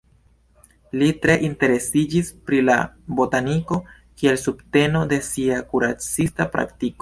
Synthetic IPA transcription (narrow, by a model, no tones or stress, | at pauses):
litɾe̞ʔinte̞ɾe̞sid͡ʒispɾila̰bo̞taniko̞ | kie̞lsubte̞no̞de̞siakuɾat͡sistapɾa̰ktiko